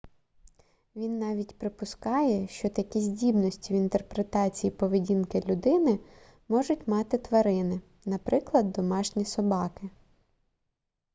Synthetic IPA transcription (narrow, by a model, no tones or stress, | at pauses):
ʋʲinːɑʋʲitʲpɾɪpʊskɑjɛʃt͡ʃɔt̪ɐkʲizʲdʲibnɔsʲtʲiwint̪erpɾet̪ɑt͡sʲijipɔʋedʲinkɪlʲʊd̪ɪnɪ | mɔʒʊtʲmɑt̪ɪt̪ʋɐɾɪnɪ | nɐpɾɪklˠɐd̪ːɔmɑʃnʲisɔbɑkɪ